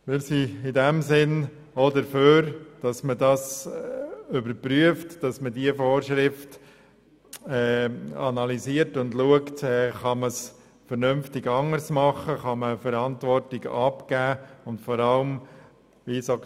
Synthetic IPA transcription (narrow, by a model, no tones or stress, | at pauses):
mɪːɾsiɪdɛmsɪn | odəføːɾd̥ɑsmədɑs | ʏbəɾpɾyəftd̥ɑsmədiəfoːɾʃɾɪft | ɛːɑnɑliziəɾtʊndluəktɛːχɑməs | fəɾnʏmftɪɡɑŋəɾsmɑχəχɑməfəɾɑntʋɔɾtɪɡɑpkæːʊndfɔɾɑləm | ʋiso